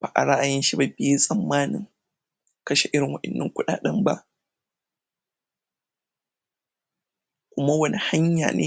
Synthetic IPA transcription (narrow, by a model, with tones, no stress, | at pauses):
ba̰ː˨ʔa̰˨ɽa˦ʔa˨jɪ˦nʃi˦ba˦bɪ˦e˦sʼɐ˨mːaː˦nɪ̰˨ŋ | kɐ˦ʃe˨ʔɪ˦ɽɪ˨ŋwɐ˨ʔɪ˨nːɪ̰˦ŋkʷʊ˦ɗa̰ː˨ɗɐ˦mba˦ʔ | kʷʊ˦ma˦wɐ˦nʔi˨ha˦ɲja̰ː˨nʔḛː˦